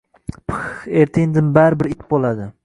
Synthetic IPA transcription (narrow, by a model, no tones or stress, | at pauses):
pʰχeɾt̪ʰɪnd̪ɪmbaɾɪbɪɾɪkʲbolˠad̪ɪ